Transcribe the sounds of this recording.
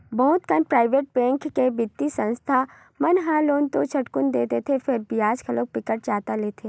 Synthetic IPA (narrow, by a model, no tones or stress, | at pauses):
bɐɦʊt̪kənpɾaːɪʋeːʈ̚bɛ̃ːŋkkebɪt̪ːisə̃nst̪ʰa | mɐnɦãloːnt̪ot͡ʃʰɐʈkʊnd̪eːt̪et̪ʰefɪɾbɪjaːd͡ʒkʰɐloːk̚pɪkəʈ̚d͡ʒaːt̪aleːt̪ʰeː